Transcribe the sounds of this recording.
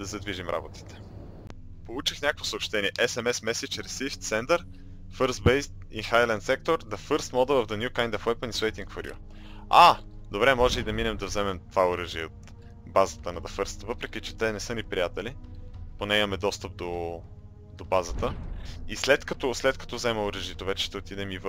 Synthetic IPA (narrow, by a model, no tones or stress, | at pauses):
d̪ɐzɐd̪viʒimɾʔa̰bot̪i̥t̪ɛ̥ | polˠut͡ʃixnʲakəkvo̥sopʃt̪ɛniɛʔɛsɛmɛsmɛsit͡ʃɾɛsift̪sɛnd̪əɾ | fɤɾsbejst̪ | ḭxajlɛnt̪sɛk̚t̪oɾd̪ɐfɤɾst̪mɔd̪əvɐvd̪ɐnjukajnd̪ɐfwɛjpəniswejt̪ĩŋkfoɾḭo̰ | ad̪obɾɛmɔʒɛid̪ɐminɛmd̪ɐvzɛmɛmt̪vaoɾəʒiot̪ | bazət̪ənɐd̪ɐfɤɾst̪vɤpɾɛk̟it͡ʃɛ̥t̪ɛnɛsɤnipɾijat̪ɛliponɛimɐmɛd̪ɔst̪əp̚d̪o | d̪obazət̪əislɛt̪kɐt̪ɔslɛt̪kɐt̪ɔvzɛməoɾəʒit̪ovɛt͡ʃɛ̥ʃt̪ɛot̪id̪ɛmiv